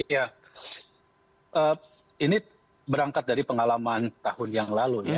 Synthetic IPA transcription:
ja | ʔəː | ini | bəɾaŋkat̪̚daɾipəŋalamant̪ahʊnjaŋlaluja

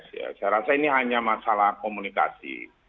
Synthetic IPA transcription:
ja̰saɾasainiɦaɲamasalahkomunika̰sḭ

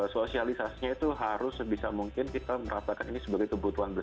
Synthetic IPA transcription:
sosialisasiɲait̪uɦaɾʊsbisamuŋkɪnkit̪aməɾasakaninisəbaɡajkəbut̪uanbə

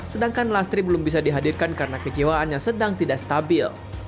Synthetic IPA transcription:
sədaŋkanlast̪ɾibəlʊmbisadiɦadirkankaɾənakəd͡ʒewaanɲasədaŋt̪idaʔst̪abɪl

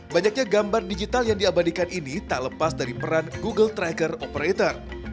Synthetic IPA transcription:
baɲak̚ɲaɡambardid͡ʒit̪aljaŋdiabadikaninit̪aləpasdaɾipəɾanɡuɡəlt̪ɾaɡərɔpəɾet̪ər

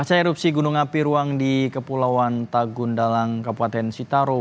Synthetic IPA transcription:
at͡ʃaɛɾup̚siɡunuŋapiɾuaŋdikəpulawant̪aɡʊndalaŋkapuat̪ɛnsit̪aɾo

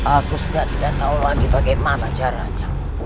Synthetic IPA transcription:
akusidat̪idaʔt̪aulaɡibaɡemanat͡ʃaɾa̰ɲa

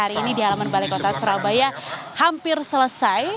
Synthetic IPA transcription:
aɾiːnidialamanbalakot̪asuɾabaja | hampɪrsələsaj

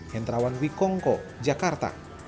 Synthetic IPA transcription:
hɛnt̪ɾawanwikɔŋkɔd͡ʒakart̪a̰

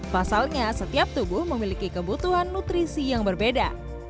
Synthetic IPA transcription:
fasalɲasət̪iap̚t̪ubʊhməmilikikəbut̪uɦanːut̪ɾisijaŋbərbeda

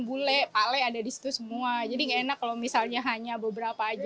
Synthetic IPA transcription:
ŋbulɛpalaadadisi̥t̪usəmuad͡ʒadiŋaenakːalowmisalɲaɦaɲabəbəɾapaːd͡ʒ

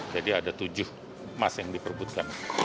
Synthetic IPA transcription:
d͡ʒadiadat̪ud͡ʒʊh | masjaŋdipərbut̪̚kan

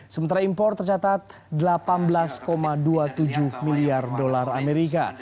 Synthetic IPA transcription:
səmənt̪aɾaimpɔrt̪ːərt͡ʃat̪at̪̚ | dəlapanbəlaskomaduat̪ud͡ʒuhmiliardolarameɾika̰

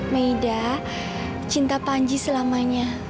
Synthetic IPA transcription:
məida | t͡ʃint̪apaɲd͡ʒisəlamaɲa

